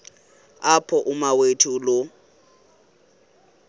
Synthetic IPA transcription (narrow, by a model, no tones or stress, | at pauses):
apʰɔʔʊmawetʰulo